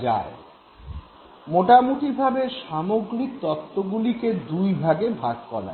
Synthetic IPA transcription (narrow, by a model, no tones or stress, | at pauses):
d͡ʑa̰ɾ | moʈamut̪ibʱabeʃamoɡɾik̚t̪ɔt̪ʰːoɡuliked̪ujbʱaɡebʱaɡkɔla̰